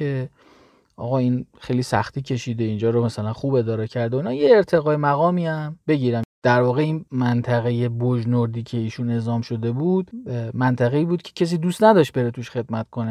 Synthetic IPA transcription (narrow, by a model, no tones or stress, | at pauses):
e̞ | ʔɒ̰ːɣɒːiːnxejliːsæ̰xt̪ʰiːcʰe̞ʃiːd̪eind͡ʒɒːɾomæsælænxuːbe̞d̪ɒːɾɛcʰæɾd̪eoiːnɒːjeːɾt̪ʰe̞ɣɒːjemæɣɒːmiːæmbe̞ɟiːɾæmd̪̥æɾvɒːɣe̞iːnmænt̪ʰæɣeje̞boʒnoɾd̪iːcʰe̞iːʃune̞zɒːmʃo̞d̪e̞buːd̪̥mænt̪ʰæɣeiːbuːd̪̚cʰecʰe̞s̬iːd̪ust̪næd̪ɒːʃt̪̚be̞ɾet̪ʰuʃχe̞d̪mæt̪kʰo̞ne